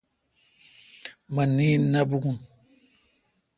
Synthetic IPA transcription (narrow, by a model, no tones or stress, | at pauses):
maninabuɡun